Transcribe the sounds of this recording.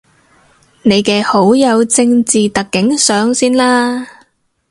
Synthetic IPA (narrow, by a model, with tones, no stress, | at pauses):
ne˨˧jkɛː˧ho˨˥wjɐ˨˧wt͡sɪ˧ŋt͡siː˨t̪ɐ˨kːɪ˨˥ŋsœː˨˥ŋsiː˥nlaː˥